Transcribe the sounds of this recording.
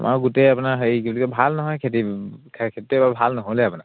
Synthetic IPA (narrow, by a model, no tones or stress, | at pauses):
mʔa̰wɡutejapunaɦejkiblikɔbʱalnɔɦɔjkʰetikʰkʰetitɛbabʱalnɔɦojlɛapunak